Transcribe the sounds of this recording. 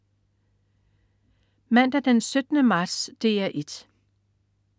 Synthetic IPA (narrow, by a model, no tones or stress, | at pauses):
mæn̰d̥æd̥ensød̥nəmɑ̥̈ːsd̥e̝̰ːæʔe̝d̥